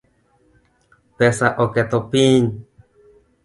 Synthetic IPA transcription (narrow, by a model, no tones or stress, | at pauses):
pesaʔoket̪opiɲ